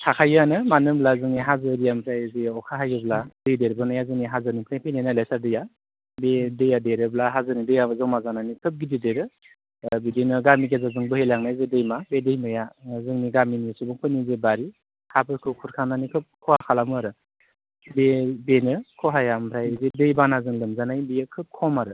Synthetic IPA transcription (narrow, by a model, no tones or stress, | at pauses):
kʰakʰajanɯmanɯblazɯŋniɦazɯɾijampʰɾajzeɔkʰaɦajɯbladɯjdeɾbɯnajazɯŋniɦazɯnipʰɾajpʰijnanalesaɾdɯja | bedɯjadeɾɯblaɦazɯnidɯjazaŋmazananikʰɯp̚ɡidideɾɯ | bedenɯɡamiɡezazɯŋbɯhejlaŋnajzedɯjmabedɯjmɯjazɯŋniɡaminisubɯŋpʰɯnizebaɾi | hapʰɯɾkʰɯkʰuɾkʰaŋnanikʰɯp̚kʰɔhakʰalamɯaɾɯ | bebenɯkʰɔɦajampʰɾajzedɯjbanazɯŋlɯmzanajbijakʰɯp̚kʰɔmaɾɯ